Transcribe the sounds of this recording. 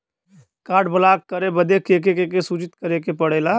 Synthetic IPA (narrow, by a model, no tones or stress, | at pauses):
kaːʈbəlakkəɾebəd̪ekeːkekekesut͡ʃɪt̪kəɾekepəɽeːla